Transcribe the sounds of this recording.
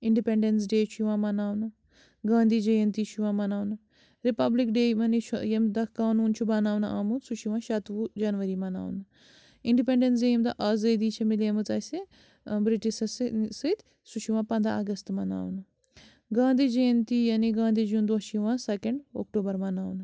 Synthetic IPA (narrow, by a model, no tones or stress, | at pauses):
iɳɖipeɳɖens̬ɖeːt͡ʃʰiʋãːmɐnaːʋnɐ | ɡãːnd̪ʱiːd͡ʒɐjɐnt̪iːt͡ʃʰiʋãːmɐnaːʋnɐ | ɾipɐblikɖeːmɐnit͡ʃʰujemd̪ɐkaːnuːnt͡ʃʰubɐnaːwnɐʔaːmusut͡ʃʰiʋãːʃɐt̪ʋud͡ʒɐnʋɐɾimɐna̰ːʋnɐ | iɳɖipeɳɖens̬ejemd̪aʔaːzɐd̪iːt͡ʃʰɐmilemɨt͡sɐːse | bɾiʈiʃɐssɨt̪ʲ | sut͡ʃʰiʋãːpɐnd̪a̰ɐɡɐst̪mɐna̰ːʋnɐ | ɡãːnd̪iːd͡ʒɐjɐnt̪iːjɐniɡãːnd̪ʱiːd͡ʒund̪oɦʃiʋãːsɐkeɳɖo̰ːk̚ʈoːbɐɾmɐnaːʋnɐ